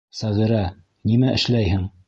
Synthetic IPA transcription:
sæʁiɾæ | nimæʔɘ̆ʃlæjhɘŋ

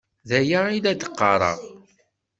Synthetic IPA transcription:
ðæjailæd̪əqːɑɾˤɑ̰ʁ

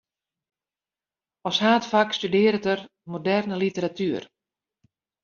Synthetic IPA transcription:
ɔshaːtfakstydɪːəɾətər | modɛrnəlitəɾatʰyər

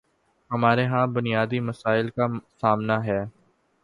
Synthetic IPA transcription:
ɦɐmaːɾeɦãbʊnijaːd̪imɐsaːɪlkasaːmnaɦɛː

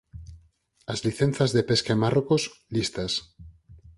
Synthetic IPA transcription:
azliθẽn̟θazðepeskaemarokoslist̪as

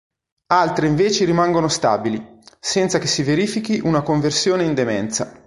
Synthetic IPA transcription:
alt̪ɾeiɱveːt͡ʃeɾimaŋɡonost̪a̰ːbilisɛnt̪sakesːiveɾiːfikiʔunakoɱversjoːneind̪emɛnt̪sa̰

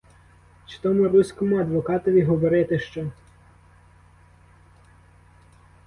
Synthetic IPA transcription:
t͡ʃe̥t̪ɔmʊɾusʲkɔmʊɐd̪ʋɔkɑt̪ɔʋʲiɦɔʋɔɾɪt̪ɪʃt͡ʃɔ

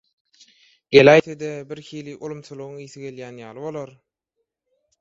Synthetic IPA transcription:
ɡ̥elæjt̪ʰed̪ebiɾxiːliʔulˠumt͡ʃʰuzlˠuɣuŋiːθiɡe̞ljæːnjɑːlˠɯβo̞lˠoɾ

